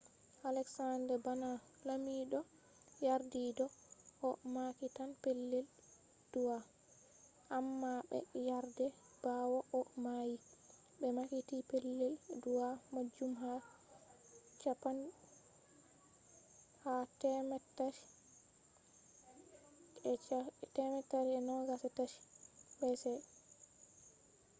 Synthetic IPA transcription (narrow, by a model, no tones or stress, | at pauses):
ʔalɛksandɛbana | lamiɗɔ | jaɾdidɔʔɔmakitanpelːɛl | d̥uwa | ʔamːaɓɛ̰jaɾdɛ | b̥awɔʔɔmaji | ɓɛmakitipelːɛlduwamad͡ʒumɦa | t͡ʃapan | hatɛmɛtːaʃ | ɛatɛmɛtːaʃɛnɔɡasɛtaʃbɛsɛ